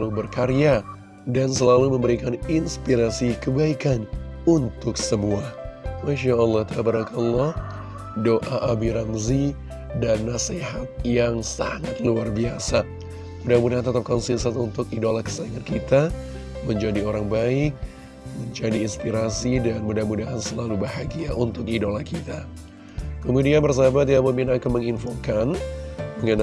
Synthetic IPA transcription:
lubərkaɾja | dansəlaluməmbəɾikaninspiɾasikəbaikanunt̪ʊksəmuahmaʃaəlːɔht̪aabəɾaklːɔh | doʔaʔabiɾamzi | danːaseɦat̪̚jaŋsa̰ŋat̪̚luarbiasa | mudamudaɦant̪ət̪ap̚kɔnsinsat̪unt̪ʊkidolakə̥saiŋankit̪a | məɲd͡ʒadioɾaŋbaɪk̚ | məɲd͡ʒadiːnspiɾasidanmudahmudaɦansəlalubaɦaɡiaunt̪ʊkidolakit̪a | kəmudianbərs̬abat̪̬iamumɪnakanməŋinfokandəŋan

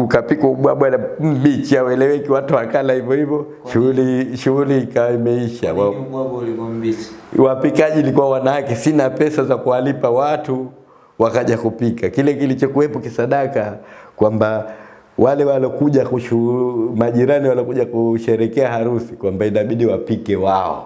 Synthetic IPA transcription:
ukapikɔuɓwaɓwam̩bit͡ʃiawɛlɛwɛkiwatuwakalahivjɔhivɔ | ʃuliʃuuliːkawaimɛiʃa̰wa | wapikaʄilikuwawanawakɛsinapɛsazakuwalipawatu | wakaʄakupikakilɛkilit͡ʃɔkuwɛpɔkisaɗakakwamba | walɛwalɔkuʄakuʃumaʄiɾaniwalɔkuʄakuʃɛɾɛkɛahaɾusikwambainaɓiɗiwapikɛwaɔ̰

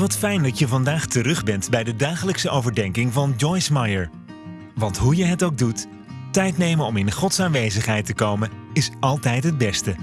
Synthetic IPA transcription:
ʋɑtfɛjndɑtjəvɑndaːχtərɵχbɛntbɛjdədaːχələksəʔowvəɹdɛŋkɪŋvɑnd͡ʒɔjsmɑjəɹ | ʋɑntɦujəɦətowɡ̚dut | tɛjtnejməɔmɪnəχɔtsaːnʋejzəχɦɛjtəkowmənɪsɑlˠtɛjtɦəd̚bɛstə

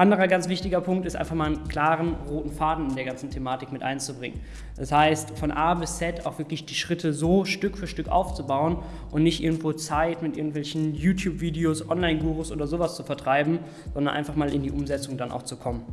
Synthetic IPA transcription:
ʔandəʁɐɡant͡sv̥ɪçtɪɡɐpʰʊŋktɪstʔa̰ɪnfaχmaːlənkl̥aːʁənʁoːtn̩faːdn̩ɪndeːɐɡant͡sn̩tʰemaːtɪkmɪtʔa̰ɪnt͡subʁɪ̰ŋə̰n | d̥ashaɪstfɔnʔaːbɪst͡sɛta̰ʊxv̥ɪɐklɪçd̥iːʃʁ̥ɪtʰəzoːʃtʏkfyːɐʃtʏkʔa̰ʊft͡subaʊən | ʔʊntnɪçtʔɪɐɡŋ̩tv̥oːt͡saɪtmɪtʔɪɐɡŋ̩tv̥ɛlçn̩juːtʰjuːpv̥iːdeoːsʔɔnlaɪnɡuːʁosʔo̰ːdɐzoːvast͡sufɛɐtʁ̥aɪbm̩ | z̥ɔndɐnʔa̰ɪnfaχmaːlɪndiːʔʊmzɛt͡sʊŋdanʔa̰ʊxt͡sukʰɔmən

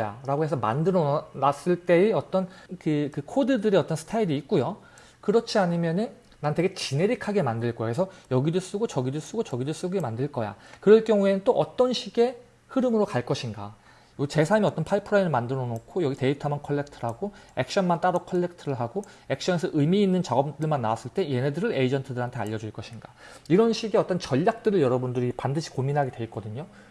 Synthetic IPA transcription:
ja̰ɾaɡoe̞sʰʌma̰ndɯɾʌnas͈ɯɭt͈e̞iʌt͈ʌnkɯkɯkʰodɯdɯɾiʌt͈ʌnsʰtʰaiɾiːk̚k͈ujo | kɯɾʌt͡ɕʰiaɲimjʌnɯn | nante̞ɡe̞t͡ɕine̞ɾikʰaɡe̞mandɯɭk͈ʌo̰esʰʌjʌɡidos͈uɡot͡ɕʌɡidos͈uɡot͡ɕʌɡidos͈uɡemandɯɭk͈ʌja̰kɯɾʌɭk͈jʌŋue̞nɯnt͈oʔʌt͈ʌnɕʰiɡe̞ | hɯɾɯmɯɾokaɭk͈ʌɕʰinɡa̰ | jot͡ɕe̞sʰamiʌt͈ʌnpʰaipʰɯɾainɯɭmandɯɾʌnokʰojʌɡite̞itʰamjʌnkʰʌɭːe̞k̚tʰɯɾɦaɡoek̚ɕ͈ʰʌnmant͈aɾʌkʰʌɭːek̚tʰɯɾɯɭɦaɡoek̚ɕ͈ʌnesʰʌʔɯmiːnːɯnt͡ɕaɡʌp̚t͈ɯɭmanːawas͈ɯɭt͈e̞je̞nedɯɾɯɾeid͡ʑʌntʰɯdɯɾɦantʰe̞a̰ʎːʌd͡ʑuɭk͈ʌɕʰinɡa | iɾʌnɕʰiɡeʌt͈ʌnt͡ɕʌʎːak̚t͈ɯɾɯɭjʌɾʌbundɯɾipandɯɕʰi̥kominɦaɡe̞twe̞ik͈ʌdɯɲo

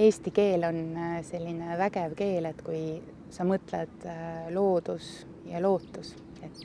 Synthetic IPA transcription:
e̞ːst̪ike̞ːlo̞nse̞lʲːine̞væɡevke̞ːle̞t̪ːkuj | sɑmɤt̪led̪̥lo̞ːd̪̥us | jɑlo̞ːt̪ːus | e̞t̪ːˑ

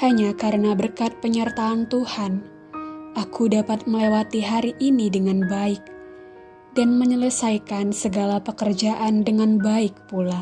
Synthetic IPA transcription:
haɲakaɾənabərkat̪̚pəɲərt̪aːnt̪uhan | ʔakʰudapat̪̚məlewat̪iɦaɾiʔinidəŋanbaɪk̚ | danməɲələsajkansəɡalapəkərd͡ʒaʔandəŋanbaɪk̚pula

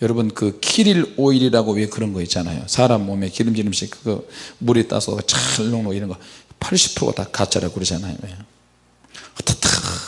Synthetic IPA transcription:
jʌɾʌbɯnkɯkʰiɾiloiɾiɾaɡoɥiekɯɾʌnɡʌit͡ɕ͈anajo̰sʰaɾamːomekiɾɯmd͡ʑiɾɯmɕʰikɯɡʌmuɾit͈a̰sʰʌɡat͡ɕaɭːoŋnoiɾʌnɡʌpʰaɭɕʰi̥p̚tʰo̰ɡʌ̰takat͡ɕʰaɾakɯɾʌd͡ʑanajo̰e | tʰḁtʰ

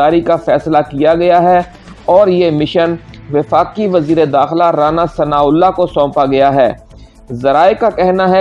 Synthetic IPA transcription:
aːɾikafɛːslakijaɡɐjaɦɛ | ɔːɾjemɪʃən | ʋɪfaːkiʋɐziːɾed̪aːxɪlaɾaːnasɐnaːʊlːakosɔ̃ːpaɡɐjaɦɛː | zɐɾaːekakɛɦnaɦɛ

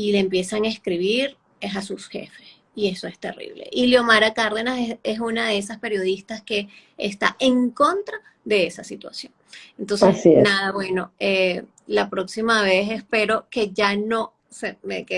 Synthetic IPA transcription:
ile̞ːmpje̞saŋaeskɾiβiɾ | esasusxe̞̰fes | ie̞so̞e̞st̪e̞̰rḭβle̞̰ʔiljo̞maɾakaɾðe̞naseesunaðe̞esaspe̞ɾjo̞ðist̪aske̞ː | st̪a̰ʔe̞ŋko̞nt̪ɾa | ðe̞esasit̪wa̰sjo̞ŋent̪o̞nsesinaðaβwe̞no̞e | lapɾo̞ksimaβ̞e̞s̬e̞spe̞ɾo̞ke̞ʝano̞ | semḛke

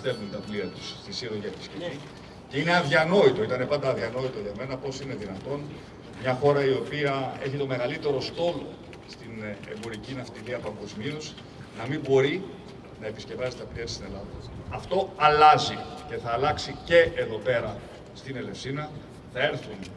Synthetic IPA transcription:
st̪e̞vunt̪ɐpliɐt̪u̥sst̪isiɾoʝɐt̪i̥scei | ce̞ine̞ɐðʝɐno̞it̪o̞it̪ɐne̞pɐnd̪ɐːðʝɐno̞it̪oʝɐme̞nɐpo̞sine̞ðinɐt̪o̞n | mɲɐxo̞ɾɐio̞piɐe̞çit̪o̞me̞ɣɐlit̪e̞ɾost̪o̞lo̞̰ | st̪ine̞̰mbo̞ɾicinɐft̪iɾiɐpɐŋɡo̞zmius | nɐmimbo̞ɾi | nɐe̞pisce̞vɐzit̪ɐpliɐt̪i̥st̪ine̞lɐðɐɐft̪o̞ɐlɐzice̞θɐːlɐksice̞eðo̞pe̞ɾɐ | st̪ine̞le̞fsinɐ | θɐe̞ɾθun

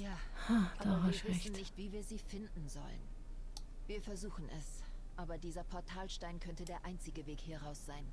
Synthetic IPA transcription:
jaːʔaḁːabɐiːɐvɪɛçnn̩nɪçtv̥iːviːɐziːfɪndn̩zɔ̰lə̰n | viːɐfɛɐzuːxn̩ʔɛ̰sʔaːbɐdiːzɐpʰɔɐtʰaːlʃtaɪnkʰœntədeːɐʔaɪnt͡sɪɡəveːkhɛɐʁaʊsz̥aɪn

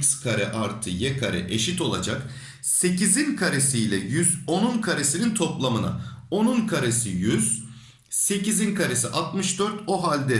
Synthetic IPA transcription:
skʰaɾɛʔaɾt̪ʰɯjɛkʰaɾɛ̰ʔeʃit̪o̞lˠa̰d͡ʒak | se̞cizinkʰaɾe̞sijlʲɛjyzo̞nunkʰaɾe̞sinint̪ʰo̞plˠamɯna̰o̞nunkʰaɾesijyz̥ | se̞cizinkʰaɾe̞siʔat̪mɯʃd̪øɾt̪o̞ɦalʲd̪ɛ

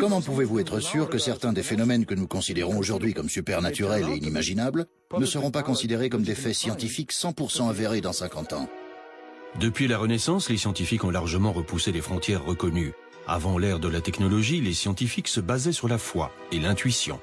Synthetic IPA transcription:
kɔmɑ̃puvevuɛt̪χəsyʁkəsɛʁt̪ɛ̃d̪efenɔmɛnkənukɔ̃sid̪eʁɔ̃oʒuʁd̪ɥikɔmsypɛʁnat̪yʁɛleinimaʒinabl | nəsəʁɔ̃pakɔ̃sid̪eʁekɔmd̪efɛsjɑ̃t̪ifiksɑ̃puʁsɑ̃aveʁed̪ɑ̃sɛ̃kɑ̃t̪ɑ̰̃ | d̪əpɥilaʁənɛsɑ̃slesjɑ̃t̪ifikɔ̃laʁʒəmɑ̃ʁəpuselefχɔ̃t̪jɛʁːəkɔny | a̰vɑ̃lɛʁd̪əlat̪ɛknɔlɔʒilesjɑ̃t̪ifiksəbazɛsyʁlafwa̰ | elɛ̃t̪ɥisjɔ̰̃

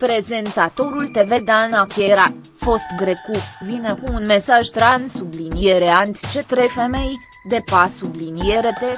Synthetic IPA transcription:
pɾe̞ze̞nt̪at̪o̞ɾult̪e̞ve̞d̪anakeɾa | fo̞st̪ɡɾekuvineakumunme̞saʒt̪ɾansublinijeɾeant̪t͡ʃe̞t̪ɾejfeme̞j | d̪e̞pasublinieɾet̪e

